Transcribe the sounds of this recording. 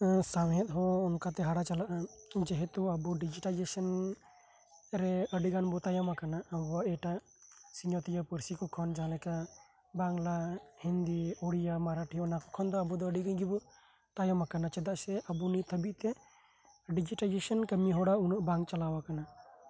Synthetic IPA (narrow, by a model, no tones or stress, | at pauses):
samjɛt̪̚ɦɔɔnkat̪ɛɦaɽat͡ʃalaʔad͡ʒɛɦɛt̪uəbuɖid͡ʒiʈalid͡ʒesən | ɾɛəɖiɡanbɔt̪ajamakanaəbuaɛʈaʔ | siɲɔt̪ijapəɾsikɔkʰɔnd͡ʒalɛka | baŋlahind̪iɔɽijamaɾaʈʰijɔnakɔkʰɔnd̪ɔabud̪ɔəɖiɡəjɡibɔ | t̪ajamakanat͡ʃɛd̪aʔsɛʔəbunit̪ʰəbiʔt̪ɛ | ɖid͡ʒiʈalid͡ʒesənkəmiɦɔɽaunɔʔbãŋk̚t͡ʃalawakana